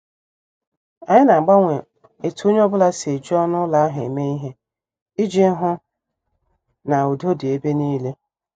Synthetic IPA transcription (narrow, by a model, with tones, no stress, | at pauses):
a˨ɲɪ˦na˨ŋ͡m̩˨ɡ͡ba˦ŋʷe˨ | e˨tu˨˦u˦ɲ˦ɔ˦bʊ˦la˦se˨d͡ʒɔ˦nʊ˦la˨a˦ɦe˨e˨me˦i˦ɦe˦ | i˦d͡ʒi˦ɦʊ˦ | na˨o˨do˦di˨e˦be˦niː˦le˦